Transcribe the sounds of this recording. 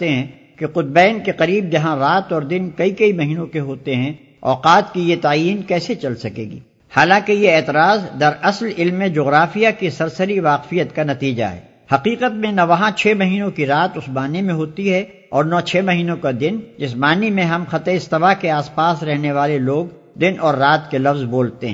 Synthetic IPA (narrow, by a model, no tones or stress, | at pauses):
t̪eɦɛ̃ | keqʊt̪̚bɛːnkeqɐɾiːbd͡ʒɐɦãɾaːt̪ɔːɾd̪ɪnkɐikɐimɐɦiːnõkeɦoːt̪eɦɛ̃ | ɔːqaːt̪kijet̪aːjiːnkɛːset͡ʃɐlsɐkḛːɡḭː | haːlãkejeɛːt̪ɪɾaːzd̪ɐɾɐslɪlmːẽd͡ʒoːɣɾaːfijakisɐɾsəɾiʋaːqfijət̪kanɐt̪iːd͡ʒa̰ɦɛ̰ː | hɐqiːqət̪̚mẽnɐʋɐɦãt͡ʃʰɛːmɐɦiːnõkiɾaːt̪ʊsmaːnemẽɦoːt̪iɦɛ | ɔːɾnɔːt͡ʃʰɛːmɐɦiːnõkad̪ɪnd͡ʒɪsmaːnimẽɦɐmxɐt̪eɪst̪ɪʋakeaːspaːsɾɛɦneʋaːleloːɡ | d̪ɪnʔɔːɾːaːt̪kelɐfzboːlt̪eɦɛ̃ː